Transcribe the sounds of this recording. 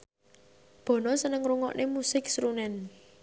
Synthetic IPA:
b̥ɔ̤nɔsənəŋɾuŋɔ̰ʔnʔemusɪk̚sɾunɛn

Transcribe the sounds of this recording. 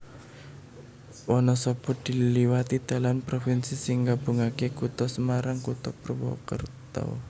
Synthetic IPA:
wɔnɔsɔb̥ɔ̤d̪̥i̤liwat̪id̪̥a̤lanpɾofinsisɪŋɡab̥uŋakekut̪ɔsəmaɾaŋkut̪ɔpərwɔ̰kə̰rt̪ɔ̰

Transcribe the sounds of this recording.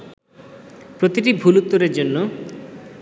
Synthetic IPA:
pɾot̪iʈibʱulut̪ːoɾeɾd͡ʑonːo

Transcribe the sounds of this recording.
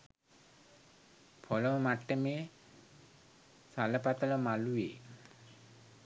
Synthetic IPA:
pʰɔlɔmmaʈːeme | saləpat̪əlɔmalue

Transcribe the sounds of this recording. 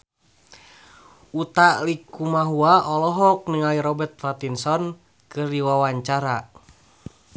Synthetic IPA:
ut̪alikumaɦuaʔɔlɔɦɔk̚niŋaliɾɔbɛrt̪̚fat̪insɔn | kɨrdiwawaɲt͡ʃaɾa

